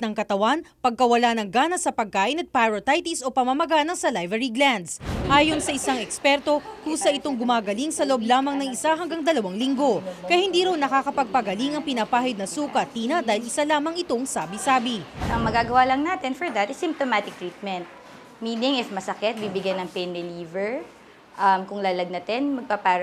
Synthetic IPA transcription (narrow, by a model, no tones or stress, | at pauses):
nɐŋkɐt̪ɐwanpɐɡ̚kɐwɐlanɐŋɡaːnɐsɐpɐɡ̚kaːʔɪnɐt̪̚pajɾot̪ajt̪isʔo̞pɐmamɐɡaːnɐŋsɐlajvɛɹiɡland̪sʔaːjo̞nsɐʔɪsaŋɛkspɛɾt̪o̞kuːsɐʔɪt̪oŋɡʊmaːɡɐliŋsɐloʔob̚laːmɐŋnɐŋɪsaɦɐŋɡaŋd̪ɐlɐwaŋlɪŋɡo̞kɐjhɪnd̪iːɾɐwnɐkaːkɐpɐɡ̚pɐɡɐliŋɐŋpɪnɐpaːhɪd̪nɐsuːkɐt̪ːiːnɐd̪aːhɪlɪsalaːmɐŋɪt̪oŋsaːbisaːbiʔɐŋmɐɡaːɡɐwalɐŋnaːt̪ɛnfɔɹd̪ɐt̪ɛsːɪmp̚t̪omat̪ɪk̚t̪ɹiːt̪̚mɛnt̪̚ | miːnɪŋʔɪfmɐsɐkɛt̪̚bibɪɡjanɐŋpɛnd̪ɪlivɛɹ | ʔɐmkʊŋlaːlɐɡ̚nɐt̪ɛnmɐɡ̚papaːɾ